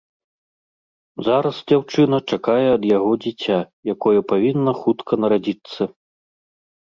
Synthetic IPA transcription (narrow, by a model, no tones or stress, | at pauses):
zaɾɐsd͡zʲawt͡ʂɨnɐt͡ʂakajɛɐd̪jaɣɔd͡zʲit͡sʲajakɔjɛɐpavʲinːɐxut̪kʰɐnɐɾad͡zʲit̪sːɐ